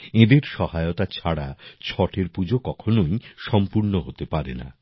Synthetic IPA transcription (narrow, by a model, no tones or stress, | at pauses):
ed̪eɾʃɔhaeot̪at͡ɕʰaɽat͡ɕʰɔʈʰeɾpud͡ʑokɔkʰonojʃɔmpuɾnoɦot̪epaɾena̰